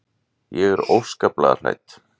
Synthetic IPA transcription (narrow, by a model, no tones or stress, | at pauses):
jɛɣɛɾowfskapla̰ða̰l̥a̰jt̪